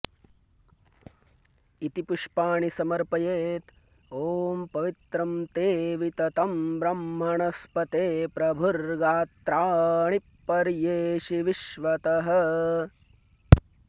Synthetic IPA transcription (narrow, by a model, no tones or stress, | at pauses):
it̪ipuʂpaːɳisɐmɐɾpɐjeːt̪ | oːmpɐʋit̪ɾɐmt̪eːʋit̪ɐt̪ɐmbɾɐmːɐɳɐspɐt̪eːpɾɐbʱuɾɡaːt̪ɾaːɳipːɐɾjeːʃiʋiʃʋɐt̪ɐɦɐ̆